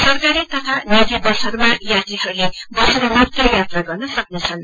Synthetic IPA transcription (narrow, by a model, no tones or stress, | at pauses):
sʌrkaɾit̪ʌt̪ʰanit̪ibʌsʌrmajat̪iɦʌɾulebʌsʌɾʌmat̪rʌjat̪raɡʌrnʌsʌknet͡sʰʌn